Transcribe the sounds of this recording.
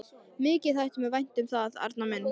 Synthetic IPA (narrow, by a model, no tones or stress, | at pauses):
mɪːcɪ̥θajht̪ʏmɪvajn̥t̪ʏmθaða̰ɾt̪namɛnː